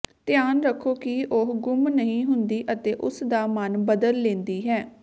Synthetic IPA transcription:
t̪ɪjaːnɾəkʰːoːkiʔoɦɡʊmnəɦĩːɦʊnd̪iːʔət̪eːʔʊsd̪aːmənbəd̪əlːẽːnd̪iːɦɛː

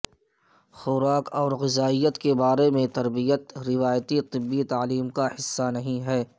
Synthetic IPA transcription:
xʊɾaːkɔːɾɣɪzaːijət̪kebaːɾemẽt̪ɐɾbijət̪ɾɪʋaːjt̪it̪ɪbːit̪aːliːmkahɪsːanɐɦĩɦɛː

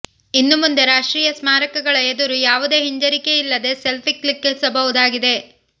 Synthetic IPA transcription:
inːumund̪e̞ɾaːʂʈɾiːjɐsmaːɾɐkɐɡɐɭɐed̪uɾujaːʋud̪e̞ːɦiɲd͡ʒɐɾike̞ilːɐd̪e̞selpʰiklikːesɐbɐʋud̪aːɡid̪e̞

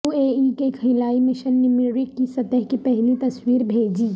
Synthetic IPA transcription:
ueikekʰɐɪlaːimɪʃənːɪmɪɾɾɪkːisɐt̪əɦkipɛɦlit̪ɐswiːɾbʱeːd͡ʒiː

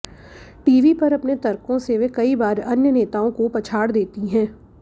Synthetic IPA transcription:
ʈiːʋipɐɾɐpnet̪ɐɾkõseʋekɐibaːɾɐnjəneːt̪aːõkopɐt͡ʃʰaːɽd̪eːt̪iɦɛ̃ː

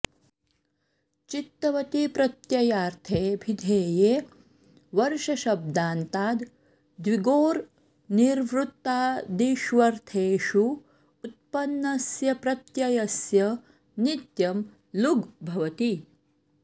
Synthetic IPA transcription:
t͡ʃit̪ːɐʋɐt̪ipɾɐt̪jɐjaːɾt̪ʰeːbʱid̪ʱeːjeː | ʋɐɾʃɐʃɐb̚d̪aːnt̪aːd̪ | d̪ʋiɡoːɾ | niɾʋɾut̪ːaːd̪iʃʋɐɾt̪ʰeːʃu | ut̪̚pɐnːɐsjɐpɾɐt̪jɐjɐsjɐ | nit̪jɐm | luɡbʱɐʋɐt̪i

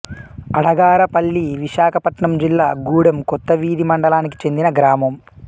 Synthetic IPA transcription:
ɐɽɐɡaːɾɐpɐlːiʋiʃaːkʰɐpɐʈɳɐmd͡ʒilːaːɡuːɽɐmkɔt̪ːɐʋiːd̪imɐɳɖɐlaːniki̥t͡ʃe̞nd̪inɐɡɾaːmɐm

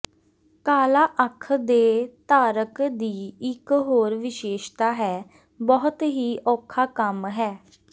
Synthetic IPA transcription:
kaːlaːʔəkʰd̪eːt̪aːɾəkd̪iːɪkɦoːɾʋɪʃeːʃt̪aːɦɛː | bɔɦʊt̪ɦiːʔɔːkʰːaːkəmɦɛː

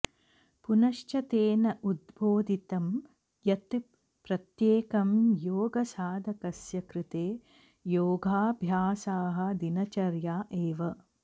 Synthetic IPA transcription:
punɐʃt͡ʃɐt̪eːnɐʔud̪bʱoːd̪ʱit̪ɐm | jɐt̪ | pɾɐt̪jeːkɐmjoːɡɐsaːd̪ʱɐkɐsjɐkɾɪt̪eː | joːɡʱaːbʱjaːsaːɦɐ̆d̪inɐt͡ʃɐɾjaːʔeːʋɐ

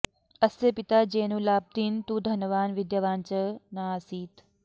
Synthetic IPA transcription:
ɐsepɪt̪ad͡ʒeːnuːlaːp̚d̪int̪ud̪ʱɐnəʋaːnʋɪd̪jaʋaːnt͡ʃɐnaːsiːt̪

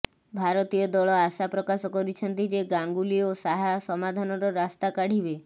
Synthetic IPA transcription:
bʱaɾɔt̪ijɔd̪ɔɭɔasapɾɔkasɔkɔɾit͡ʃʰɔnt̪id͡ʒeɡaŋɡuliosaɦasɔmad̪ʱanɔɾɔɾast̪akaɽ̤ibe

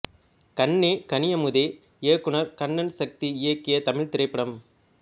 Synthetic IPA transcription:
kɐnːekɐnɪjɐmʊðe | eːkːɯɳɐɾkɐnːɐnsɐk̚t̪iɪjɐkːɪjɐt̪ɐmɪɭt̪ɪɾɐɪpːɐɽɐm

